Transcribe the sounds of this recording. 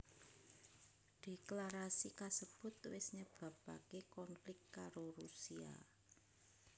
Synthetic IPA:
ɖ̪̥e̤klaɾasikasəb̥ʊ̤t̪̚wɪsɲəb̥ä̤pa̰kekɔnflɪkt̪kaɾoɾusia̰

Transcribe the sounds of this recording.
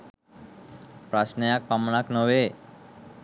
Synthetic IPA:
pɾaʃnejak̚pamnaknowe

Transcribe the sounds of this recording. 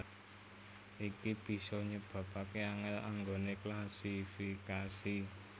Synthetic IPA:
ikib̥i̤sɔɲəb̥a̤pakeaŋɛla̰ŋɡoneklasifikasi

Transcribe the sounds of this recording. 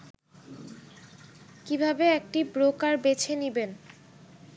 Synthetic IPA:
kibʱabeek̚ʈibɾokaɾbet͡ɕʰeniben

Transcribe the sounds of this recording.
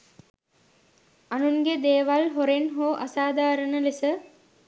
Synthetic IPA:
ɐnuŋɡed̪eːʋalɦoɾenɦoːʔɐsaːd̪aːɾənəlisə

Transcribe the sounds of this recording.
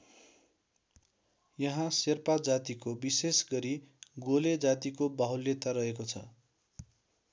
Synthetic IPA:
jʌɦãserpad͡zat̪ikobisesɡʌɾiɡoled͡zat̪ikobaɦulːet̪aɾʌɦekot͡sʰʌ̰

